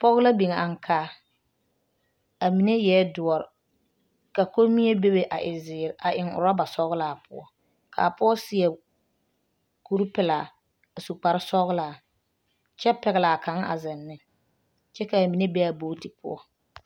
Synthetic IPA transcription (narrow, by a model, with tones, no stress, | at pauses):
pɔ˦ɣʊ˦la˦bi˨ŋ˨a˨ŋkʰaː˦ | a˨mi˨ne˦jɛ˦dʊ˨ɔ˨ɾɪ˨ | ka˨ko˦mi˦e˦be˦be˨ʔa̰˨ʔɪ˨zɪː˨ɾʔa˨ʔɪ˨ŋʊ̰˨ɾa˦ba˨sɔ˦ɣʊ˦laː˨˦˨pʰʊ˦ɔ˦ | kʰa̰˨pʊ˦ɔ˦sɪ˦ɛ˨ | ku˦ɾpɪ˨la˨ | a˨su˨k͡pa˨ɾɪ˦sɔ˦ɣlaː˨ | t͡ʃɛ˦pɛ˨ɣɪ˨la˨ka˨˦ŋ˦a̰˨zɪ˨nːɪ˦ | t͡ʃɛ˦ka˨a˨mi˨ne˦bɛ˦a˨boː˦ti˨pʊ̰˦ɔ̰˦